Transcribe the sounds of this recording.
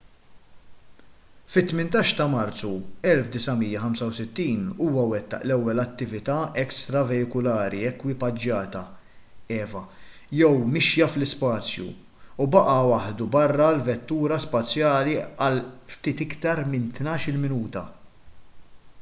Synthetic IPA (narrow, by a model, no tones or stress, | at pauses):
fɪt̪ːmɪnt̪ɐːʃt̪ɐmɐɾt͡sːuɛlfd̪ɪsɐmijːɐħɐmsɐwsɪt̪ːiːnuːwɐwɛt̪ːɐ̰ʔlɛwːɛlɐt̪ːɪvɪt̪ɐːɛkst̪ɾɐvɛjɪkʊlɐːɾiɛkwɪpɐd͡ʒːɐːt̪ɐ | ɛːvɐ | jɛwmɪʃjɐflɪspɐːt͡sjṵ | ubɐʔɐwɐħd̪ubɐrːɐlvɛt̪ːuːɾɐspɐt͡sjɐːliɐlft̪iːt̪ɪkt̪ɐɾmɪnt̪nɐːʃɪlmɪnuːt̪ɐ